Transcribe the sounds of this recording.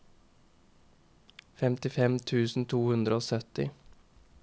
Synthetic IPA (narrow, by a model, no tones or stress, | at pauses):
fɛmt̪ɪfɛmt̪ʰʉːsn̩t̪ʰuːhʉnd̪ɾəoːsœt̪ɪ̰